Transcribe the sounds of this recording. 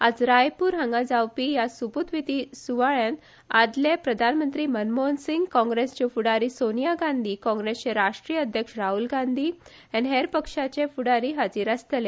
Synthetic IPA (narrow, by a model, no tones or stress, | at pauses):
ad͡zɾajpuːɾɦãŋɡad͡zawpijasuput̪ʋit̪isuʋaɭjãn | ad̪lepɾəd̪ʱanmənt̪ɾiːmənmonsiŋɡkɔ̃ŋɡɾest͡ɕefuɽaɾiːsonijaɡãnd̪ʱiːkɔ̃ŋɡɾest͡ɕeɾaʂʈɾijəəd̪ʱjəkʂɾaɦulɡãnd̪ʱiː | ɛnɦeɾpəkʂat͡ɕefuɽaɾiːɦad͡ziːɾast̪le